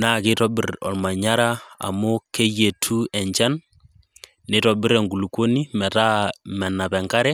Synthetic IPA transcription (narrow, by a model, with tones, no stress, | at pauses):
na˦˨kɪ˦tɔ˦bɪ˨rɔ̰˨lma˨ɲa˦ɾa˦a̰˨mo˦ke˦je˨tʰu˦ɛ˨ɲt͡ʃa˦n | ne˦tɔ˨bɪ˦ɾɛ˨ŋɡu˨lu˨kwo˦ni˦mɛ˨ta˦mɛ˨na˨pɛ˨ŋka˦ɾɛ˦